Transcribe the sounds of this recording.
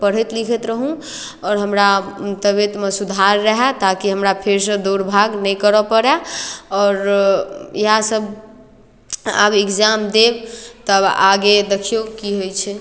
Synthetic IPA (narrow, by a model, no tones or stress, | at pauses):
pəɽ̤ɛt̪likʰɛt̪ɾəɦũ | ɔːɾɦəmɾat̪əβet̪mẽsud̪ʱaɾːəɦɛt̪akiɦəmɾapʰeɾsə̃d̪uɾbʱaɡnəjkəɾəpəɽɛɔːɾ | iɦãsəb | a̰bekd͡ʒamd̪ebt̪əaɡed̪ekʰijokiɦojt͡ʃʰɛ